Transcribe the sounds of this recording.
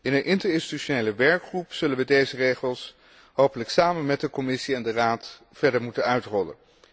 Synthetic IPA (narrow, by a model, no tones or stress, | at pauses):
ɪnənʔɪntəɹɪnsti̥tyʃonejləʋɛɹkχrupsɵlənʋədejzərejχəlˠs | ɦowpələksaːmənmɛt̚dəkɔmɪsiɛndəraːt | fɛɹdəɹmutənœɥtrɔlə̰n